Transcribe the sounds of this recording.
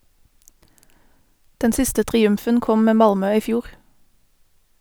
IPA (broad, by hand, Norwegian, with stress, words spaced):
ˈdɛn ˈsɪstə tʁɪˈʉmfən ˈkɔm ˈmeː ˈmɑlmœ ˈiː ˈfjuːʁ